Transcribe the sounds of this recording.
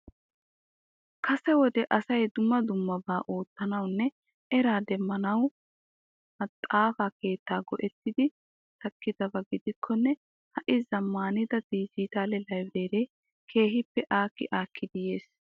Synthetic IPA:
kɐsɛwɔd̪ɛʔɐsɐjd̪ʊmːɐd̪ʊmːɐbaːʔo̞ːt̪ːɐnɐwnːɛ | ɛɾaːd̪ɛmːɐnɐw | mɐt̪ʼːaːfaːke̞ːt̪ːaːɡɔʔɛt̪ːɪd̪ɪ | t̪ɐkːɪd̪ɐbɐɡɪd̪ɪkʰːɔnːɛ | hɐʔɪzɐmːaːnɪd̪ɐd̪iːd͡ʒiːt̪aːlɛlɐjbɾeːɾeː | kʰe̞ːɦɪpːɛʔaːkːɪ̰ʔaːkʰːɪd̪ɪje̞ːs

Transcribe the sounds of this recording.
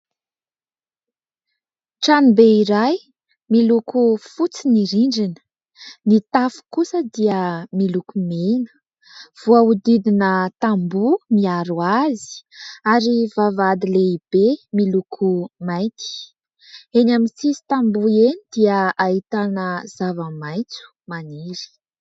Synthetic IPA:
ʈ͡ʂanibeiɾaj | milukufut͡siniɾiɳɖ͡ʐinə̥ | nit̪afu̥kusəd̪iəmilukumenə̥ | v̥uaud̪id̪inət̪ambumiaɾuazi̥aɾivavad̪ileib̥emilukʰumajt̪i̥ | enamisisi̥t̪ambuenid̪iəaɦit̪anəz̥avəmajt͡su̥maniɾi̥

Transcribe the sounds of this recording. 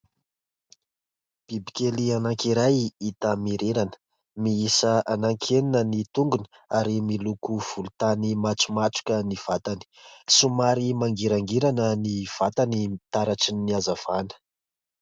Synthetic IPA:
b̥ibikʲelianaŋkiɾajit̪amiɾeɾanə̥ | miisəanaŋkʰeninənit̪uŋɡunə | aɾimilukuv̥ulut̪animat͡sumat͡su̥kʲəniv̥at̪ani̥sumaɾimaŋɡiɾaŋɡiɾanəniv̥at̪animit̪aɾaʈ͡ʂinːiazav̥anə̥

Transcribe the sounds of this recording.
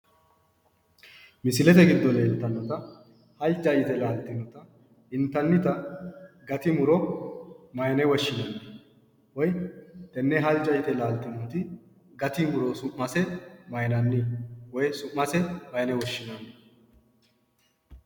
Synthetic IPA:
mɪsɪlɛt̪ɛɡɪd̪ːɔleːnt̪ːɐnːɔt̪ɐ | hɐlt͡ʃːɐɪt̪ɛlaːlt̪ːɪnːɔt̪ɐ | ɪnt̪ːɐnːɪt̪ɐ | ɡɐt̪ɪmʊɾɔ | mɐjnɛwɔʃːɪnɔnːɪ | wɔjt̪ɛnːɛɦɐld͡ʒɐɪt̪ɛlaːlt̪ːɪnɔt̪ɪ | ɡɐt̪ɪmʊɾɔsʊʔːɐsɛmɐjnɐnːɪwɔjsʊmːɐsɛmɐjnɛwɔʃːɪnɔnːɛ

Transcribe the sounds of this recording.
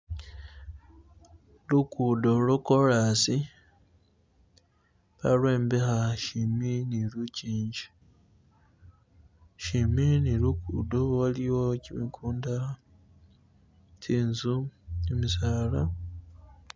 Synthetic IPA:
lukudo̞lokoɾasi | βa̰lwe̞ːmbexaʃiminiluciːɲɟi̥ | ʃiminilukṵdowaliwo̞cimikʰuːnda | tʰinzuemisaːla

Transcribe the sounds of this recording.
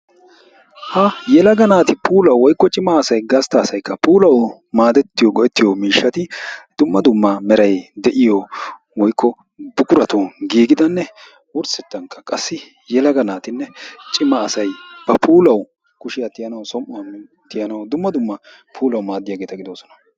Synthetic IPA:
hɐjɛlɐɡɐnaːt̪ɪpuːlɐwːɔjkːɔt͡ʃʼɪmɐːsɐjɡɐst̪ɐːsɐjkːɐpuːlɐw | maːd̪ɛt̪ːɪjɔɡɔʔɛt̪ːɪjɔmiːʃːɐt̪ɪd̪̥ʊmːɐd̪ʊmːɐmɛɾɐjd̪ɛʔɪjɔ | wɔjkːɔ | bʊkʼʊɾɐt̪ʊɡiːɡɪd̪ɐnːɛ | ʊɾsɛt̪ːɐŋkːɐ̥kʼɐsːɪ | jɛlɐɡɐnaːt̪ɪnːɛt͡ʃʼɪmːɐːsɐjb̥ɐpʰuːlɐw | kʊʃɪjɐt̪ɪjɐnɐwsɔmʔɔɐnːɛ | t̪ɪjɐnɐwd̪ʊmːɐd̪ʊmːɐ | pʰuːlɐwmaːd̪ɪjaːɡe̞ːt̪ɐɡɪd̪oːsɔ̥nɐ̥

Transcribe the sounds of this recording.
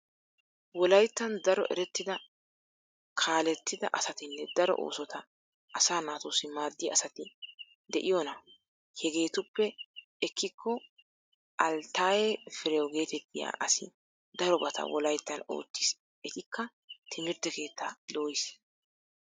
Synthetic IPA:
wɔlɐjt̪ːɐnd̪ɐɾɔ̰ʔɛɾɛt̪ːɪd̪ɐ | kʰaːlɛt̪ːɪd̪ɐʔɐsɐt̪ɪnːɛd̪ɐɾɔ̰ʔo̰ːsɔt̪ɐ | ʔɐsaːnaːt̪oːsɪmaːd̪ːɪjɐːsɐt̪ɪ | d̪ɛʔɪjɔnɐ | hɛɡe̞ːt̪ʊpːɛ | ɛkːɪkʰːɔ | ʔɐlt̪ːaːjefɪɾɛjɔɡe̞ːt̪ɛt̪ːɪja̰ːʔɐsɪ̰ | d̪ɐɾɔbɐt̪ʰɐ̰wɔlɐjt̪ːɐno̞̰ːt̪ːɪ̥s | ɛt̪ʼɪkːɐ | t̪ʰɪmɪɾt̪ːɛke̞ːt̪ːaːd̪oːjɪs

